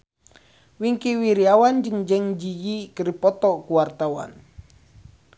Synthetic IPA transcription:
wiŋkiwiɾiawand͡ʒəŋd͡ʒəŋd͡ʒijikəɾipɔt̪ɔkuwart̪awa̰n

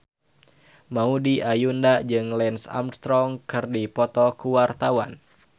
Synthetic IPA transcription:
maudiʔajundad͡ʒɨŋlɛnsa̰mst̪ɾɔŋkɨrdipɔt̪ɔkuwart̪awan

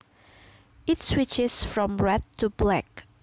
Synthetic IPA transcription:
ɪtswɪt͡ʃɪsfɹɔ̃mɹɛtʰːublɛk

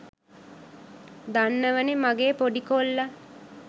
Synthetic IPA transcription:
d̪anːəʋənemaɡeːpoɖikolːa

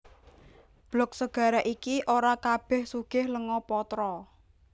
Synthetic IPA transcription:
b̥lɔk̚səɡ̥a̤ɾaʔikiʔoɾakab̥ɛ̤hsuɡ̥ɪhləŋɔpɔt̪ɾɔ

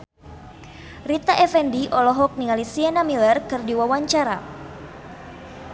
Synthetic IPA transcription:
rit̪aʔɛfɛndiʔɔlɔɦɔk̚niŋalisianamilɛrkɨrdiwawaɲt͡ʃaɾa̰

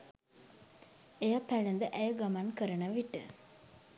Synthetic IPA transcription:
ejapælend̪əʔæjəɡamankəɾənəʋiʈə

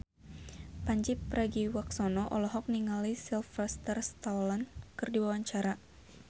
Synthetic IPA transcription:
paɲd͡ʒipːɾaɡiwaksɔnɔʔɔlɔɦɔk̚niŋalisilfast̪ərst̪awlankɨrdiwawaɲt͡ʃaɾa

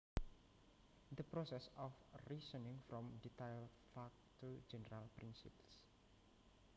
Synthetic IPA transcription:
d̪əpɾosɛsɔfrisənɪ̃ŋfɾɔ̃mdit̪ajl | fak̚t̪ud͡ʒɛnəɾalpɾinsḭps

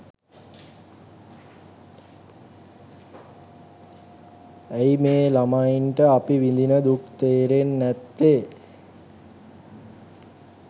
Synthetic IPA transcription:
æimeːlamajinʈəapiʋind̪inəd̪uk̚t̪eːɾenːɛt̪ːe

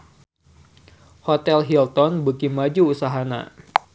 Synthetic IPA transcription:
hot̪ɛlɦilt̪ɔnbukimad͡ʒuːsaɦana̰

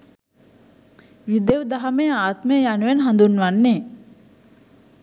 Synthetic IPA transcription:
ʋid̪eʋd̪aɦɐmeaːt̪məjəjanuʋenɦand̪unʋanːe

